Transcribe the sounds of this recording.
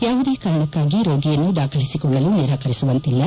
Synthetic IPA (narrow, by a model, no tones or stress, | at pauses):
jaːʋud̪ekaːɾɐɳɐkːaːɡiɾoːɡijɐnːud̪aːkʰɐlisikɔɭːɐluːniɾaːkɐɾisuʋɐnt̪ilːɐ